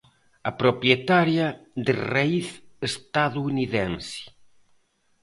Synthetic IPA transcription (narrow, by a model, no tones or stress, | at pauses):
ɐpɾopɾjet̪aɾjad̪eraiθest̪aðuuniðɛnsi̥